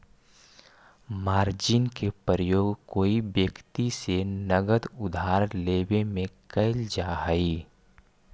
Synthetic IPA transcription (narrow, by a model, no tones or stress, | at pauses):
maːɾd͡ʒɪnkepəɾəjoːɡkoːiʋjəkt̪isenəɡəd̪ʊd̪ʱaːɾleːbemẽkəɪld͡ʒaːɦəiː